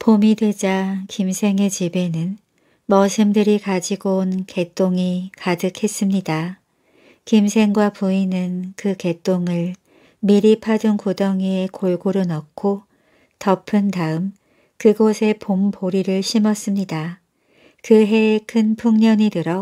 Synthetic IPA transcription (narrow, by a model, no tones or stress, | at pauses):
pomide̞d͡ʑakimsʰe̞ŋe̞t͡ɕibe̞nɯn | mʌsʰɯmdɯɾikad͡ʑiɡonke̞t͈oŋikadɯkʰe̞s͈ɯmɲida | kimsʰe̞ŋɡwapuinɯnkɯke̞t͈oŋɯɭ | miɾipʰadunkodʌŋie̞koɭɡoɾonʌkkʰo | tʌpʰɯndaɯm | kɯɡosʰe̞pompoɾiɾɯɭɕʰimʌs͈ɯmɲida | kɯɦe̞ːkʰɯnpʰuŋɲʌɲitɯɾʌ